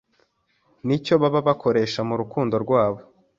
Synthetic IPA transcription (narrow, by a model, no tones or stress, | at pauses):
nico̞βaβaβakʰo̞ɾe̞ːʃamuɾukuːndo̞ɾɡwaːβo̞